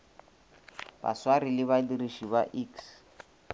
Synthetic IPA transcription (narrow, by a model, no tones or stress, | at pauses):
ba̰swarɪlɪβaliriʃibaʔiks